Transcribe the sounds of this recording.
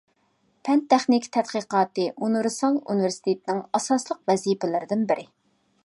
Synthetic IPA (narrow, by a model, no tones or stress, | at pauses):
pʰɛnt̪ʰːɛχnɪkʲt̪ʰɛt̪̚qiqɑːt̪ɨʔunɾɨsɑlˠṵnivɪɾsɪ̥t̪ʰet̪ɪnɪŋɑsɑslˠəqvɛzipɪlɪɾɪd̪ɪnbɪɾʔɪ